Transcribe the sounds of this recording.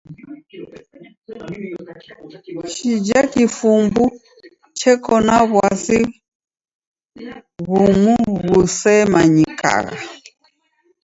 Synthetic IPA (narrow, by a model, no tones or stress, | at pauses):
ʃid͡ʒakifumbu | t͡ʃɛkɔnaβwasi | ɣumuɣusɛmaɲika̰ɣa̰